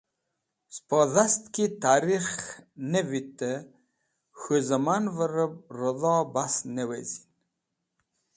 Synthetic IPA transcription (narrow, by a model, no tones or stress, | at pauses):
spɔðast̪kit̪aɾiχnevit̪ə | xuzəmanvəɾəb̚ɾəðɑbasnewezi̥n